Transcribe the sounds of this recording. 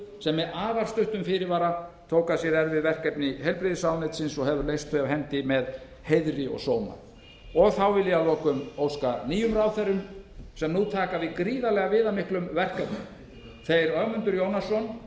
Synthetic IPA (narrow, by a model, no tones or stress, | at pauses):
sɛmːɛaːvaɾ̥st̪ʏht̪ʏmfɪɾɪɾvaːɾat̪ʰoːwkasjɛɾɛɾvɪðvɛr̥kɛpnɪɦɛjlpɾɪðɪsaːwnɛt̪sɪnsɔɣhɛvʏɾlejst̪θœjaɦɛnt̪ɪmɛð | hejðɾɪɔ̰ɣsoːwma̰ɾ | ɔɣθawvɪlːɪalɔːkʏmoːwskaniːjʏmɾaːwθɛrːʏmsɛmnuːt̪ʰaːkavɪðkɾiːðalɛɣavɪːðamɪhklʏmvɛr̥kɛpnɪ̰ | θejɾœɣmʏnt̪ʏɾjownasɔn